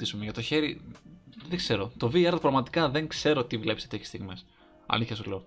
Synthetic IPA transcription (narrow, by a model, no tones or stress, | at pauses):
isumeʝɐt̪o̞çe̞ɾi | ðeɡ̥se̞ɾot̪o̞viɐɾðpɾɐɣmɐt̪i̥kɐðe̞ŋkse̞ɾo̞t̪ivle̞pset̪eçe̥st̪iɣmes | ɐ̰liθçɐsuleo